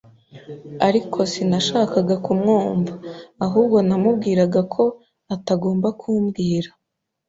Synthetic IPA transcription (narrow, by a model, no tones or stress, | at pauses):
aɾikʰo̞sinaʃaːkaɡakumŋuːɱvaːɦuːb̚ɡo̞namub̚ɡiːɾaɡakʰo̞ | ataɡo̞ːmbakʰuːmɡiːɾa